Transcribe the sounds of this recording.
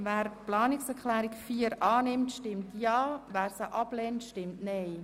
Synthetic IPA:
ʋæːɾplɑːnɪksɛɾklɛːɾɪkfiːəɾʔɑːnɪmtʃtɪmtjɑːvæːɾsəʔɑb̥lɛntʃtɪmtnɛɪ

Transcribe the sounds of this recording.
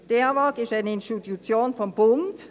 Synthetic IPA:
d̥eːɐvɑːkɪstaɪnəɪnstitut͡sjoːnfɔmbʊnt

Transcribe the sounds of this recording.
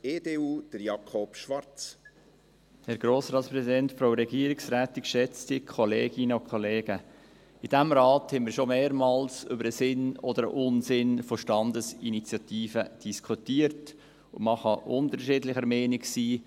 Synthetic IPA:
eːdeːuːd̥əɾjɑkʰɔpʃʋɑɾt͡s | hɛɾɡ̥ɾoːsɾɑːtspɾɛzidɛntfɾoʊɾɛɡiəɾiksɾæːtikʃɛt͡stɪkʰɔleːɡ̥ɪnəʊkʰχɔleːɡ̥ə | ɪd̥æmɾɑːt̪hɛmɪɾʃomeːɾmɑːlsʏbəɾəsɪnɔd̪əɾə̰ʔʊnsɪnfoʃtɑndəsinit͡sjɑt̪iːfəd̥iskʰutiːəɾt | ʊməχɑʔʊnt̪əɾʃɪːdlɪχəɾmɛɪnɪksiː

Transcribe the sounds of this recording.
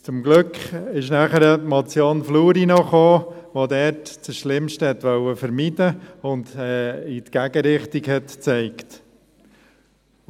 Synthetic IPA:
t͡sʊmɡlʏkχɪʃnæχəɾəmɑt͡sjoːnfluːɾinɔχoːʋod̪ɛɾtt͡səʃlɪmʃtəhɛt̪ʋœwəfəɾmidəʊndɛit̪ɡ̥æɡ̥əɾɪχt̪iɡhɛtt͡sɛɪkt

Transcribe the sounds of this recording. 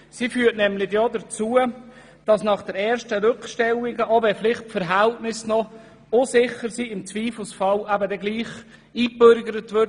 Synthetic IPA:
sifyːətnɛmlɪɡjɔdət͡suə | d̥ɑsnɑχd̥ɛɾɛːɾʃtəɾʏkχʃtɛwɪɡəʔovɛflɪχt̚pfəɾɦæltnɪsnɔ | osɪχəɾsiːɪmt͡sʋiːfl̩sfɑlæbədɛɡliːχ | iːbøɾɡəɾətʋʏɾt

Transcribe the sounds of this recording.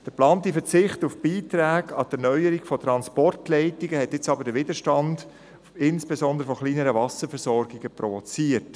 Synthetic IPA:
d̥əplɑːntifət͡sɪχtufb̥iːtɾæːɡɑtɛɾnœʏəɾiɡfɔt̪ɾɑnspɔrtlɛɪtiɡəhɛtɪt͡sɑbəɾdəʋɪdəʃtɑnd | ɪnspesɔnd̪əɾəfɔχliːnəɾəvɑsəfɛɾsɔɾɡɪɡəpɾɔvot͡siːərt

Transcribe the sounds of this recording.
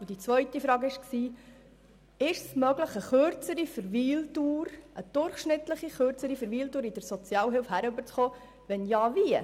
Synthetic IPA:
ʊd̥it͡svœʏtifɾɑːɡɪʃksiː | ɪʃsmœɡləχəχøɾt͡səɾifəɾviːltuːɾʔəd̥ʊɾχʃnɪt̪ləχiχøɾt͡səɾifəɾviːltuːɾid̥əɾsɔt͡sjɑːlɦɪlfhæɾʉbəɾt͡sχoː | vɛnjɑːviə

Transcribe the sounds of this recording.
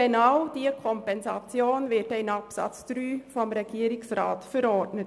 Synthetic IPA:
enaʊd̥iːəkʰɔmpɛnzɑt͡sjoːnvɪtɛɪnɑpsɑ̰t͡sd̥ɾyːfɔmɾɛɡ̥iːəɾɪksɾa̰ːtfəɾɔɾdnət

